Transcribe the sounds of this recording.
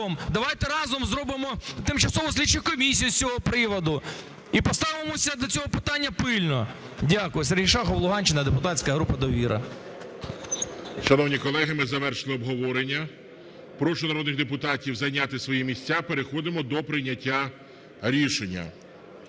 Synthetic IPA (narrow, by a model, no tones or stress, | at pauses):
ɔmd̪ɐʋɑjt̪ɛɾɑzɔmzɾɔbɪmɔt̪ɪmt͡ʃɐsɔʋɔsʲlʲit͡ʃːɪjkɔmʲisʲijʊsʲt͡sʲɔɦɔpɾɪʋɔd̪ʊ | ipɔst̪ɑʋɪmɔsʲɐd̪ɔt͡sʲɔɦɔpɪt̪ɑnʲːɐpɪlʲnɔ | dʲakʊjɪseɾɦijʃɑxɔʋlˠʊɦɑnʲt͡ʃɪnɐd̪epʊt̪ɑtʲt͡sʲkɐɦɾupɐd̪ɔʋʲiɾʔɐ̰ | ʃɔnɔwnʲikɔlˠɛɦɪmɪzɐʋɛrʃɪlˠɪɔbɦɔʋɔɾenʲːɐ | pɾɔʃʊnɐɾɔd̪nɪxd̪epʊt̪ɑtʲiwzɐjnʲat̪ɪsʋɔjimʲisʲt͡sʲːapeɾexɔd̪ɪmɔd̪ɔpɾɪnʲɐtʲːa | ɾʲiʃenʲːɐ̰